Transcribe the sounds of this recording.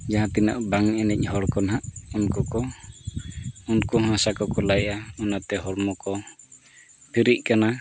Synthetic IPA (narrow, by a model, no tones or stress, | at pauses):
d͡ʒaɦãt̪ina̰ʔbaŋɛnɛc̚ˀhɔɽkɔnɦaʔunkɔkɔ | unkɔɦãsakɔkɔlajʔaunat̪ɛɦɔɾmɔkɔ | pʰiɾiʔ̚kana